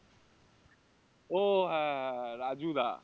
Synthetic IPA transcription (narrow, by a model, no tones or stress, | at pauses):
oɦɛ̃ɦɛ̃ɾaːd͡ʒuːd̪a̰ː